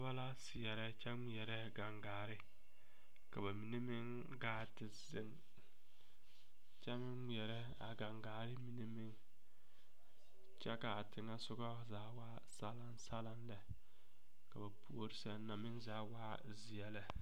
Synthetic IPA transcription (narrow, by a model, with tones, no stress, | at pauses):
ba˦la˦sɪ˨jɛ˨ɾɛ˦t͡ʃɛ˦ŋ͡mi˨ɛ˨ɾɛ˦ɡa˨ŋɡaː˨ɾɪ˦ | ka˨ba˨mi˨ne˦mɪ˦ŋ | ɡaː˨˦tɪ˨zɪ˦ŋ | t͡ʃɛ˦mɪ˦ŋmi˨ɛ˨ɾɛ˦ | a̰˨ɡa˨ŋɡaː˨ɾɪ˦mi˨ne˦mɪ˦ŋ | t͡ʃɛ˦ka˨tɪ˨ŋa˦sʊ˦ɡɔ˦zaː˦waː˦ | sa˦la˦nsa˦la˦nlɛ˨ | ka˨ba˨pʰu˦o˦ɾɪ˦sɛ˦nɔ˨mɪ˦ŋzaː˦waː˦ | zɪ˨ɛ˦lɛ˨